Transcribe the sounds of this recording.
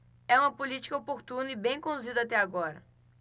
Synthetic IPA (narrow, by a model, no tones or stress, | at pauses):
ɛũmɐpolit͡ʃi̥kɐopoɾt̪ũnɐibẽj̃kõd̪uzid̪ɐat̪ɛaɡɔɾɐ̰